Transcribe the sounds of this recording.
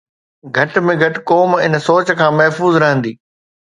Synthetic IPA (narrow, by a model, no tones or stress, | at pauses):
ɡʱɐʈmẽɡʱɐʈkoːmɪnsoːt͡ɕkʰãːmɛɦfuːzɾɐɦə̃nd̪iː